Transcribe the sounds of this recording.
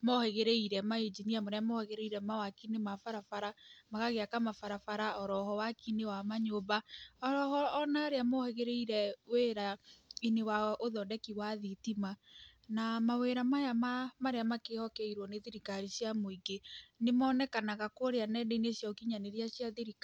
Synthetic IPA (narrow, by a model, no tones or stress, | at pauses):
mɔheɣeɾeiɾɛmaed͡ʒiniamoɾeamɔhɛɣeɾeiɾɛmawakinemafaɾafaɾamaɣaɣeakamafaɾafaɾaɔɾɔhɔwakinewamaɲobaɔɾɔhɔːnaːɾeamɔhɛɣeɾeiɾɛweɾainewaoðɔdɛkiwaðitimanamaweɾamajamamaɾeamakehɔkɛiɾwɔneðeɾikaɾisjamoiɡenemɔːnɛkanaɣakoɾeanɛdeinesjaokiɲaneɾiasjaðeɾik